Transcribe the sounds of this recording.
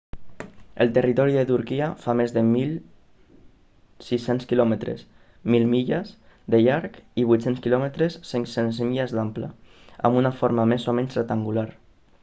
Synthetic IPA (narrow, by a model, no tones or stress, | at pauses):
əlˠt̪ərit̪ɔɾiðət̪uɾkiəfamezðəmilˠ | sisenskilɔmət̪ɾḛs | milˠmiʎəsðəʎaɾkiβujt̪senskilɔmət̪ɾəsːeŋsenzmiʎəzd̪amplə̰ | ə̰mbunafoɾmamezomɛɲsrək̚t̪aŋɡulaɾ